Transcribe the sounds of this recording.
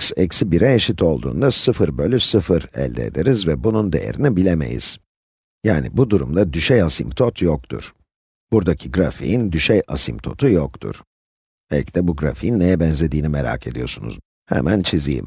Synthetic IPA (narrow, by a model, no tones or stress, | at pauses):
sɛcsibiɾɛeʃit̪ʰo̞lˠd̪ṵːnd̪asɯfɯɾbølʲysɯfɯɾɛ̰lʲd̪eːd̪eɾizvɛbunund̪e̞̰jḛɾinibilʲeme̞̰jḭz̥ | jaːnḭbud̪uɾumd̪ad̪yʃɛjasimt̪ʰot̪jok̚t̪ʰṵɾ̥ | b̥uɾd̪acʰiɡɾafḭjind̪yʃɛja̰simp̚t̪ʰo̞t̪ʰujokt̪ʰṵɾ̥ | ɛlʲcd̪ɛbuɡɾa̰fijinːejɛbɛnzʲe̞d̪iːnimeɾa̰ːkʰe̞d̪ijo̞ɾsunṵz | hɛ̰mʔænt͡ʃʰizḭjḭm